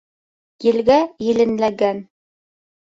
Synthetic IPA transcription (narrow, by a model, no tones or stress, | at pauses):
jɘ̆lɡæjɘ̆lɘ̆nlæɡæn